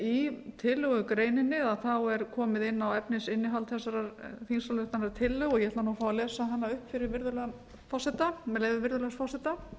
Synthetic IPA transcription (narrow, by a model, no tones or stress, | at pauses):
it̪ʰɪlːʏɣʏkɾeːjnɪnːɪðaðθawɛɾkʰɔːmɪðɪnːawɛpnɪsɪnːɪɦalt̪θɛsːaɾaɾfinsalʏht̪anaɾt̪ʰɪlːʏɣɔɣjɛhɛt̪anuafaːwvalɛːsaɦanːaʏhpfɪɾɪɾvɪɾðʏlœɣan | fɔsɛt̪amɛleːjvʏvɪɾðʏlœsfɔsɛt̪a